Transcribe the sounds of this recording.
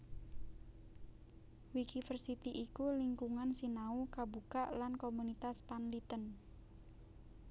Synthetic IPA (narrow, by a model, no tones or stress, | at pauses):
wikifərsit̪iʔikuliŋkuŋansinaukabukaʔlankomunit̪aspanlit̪ən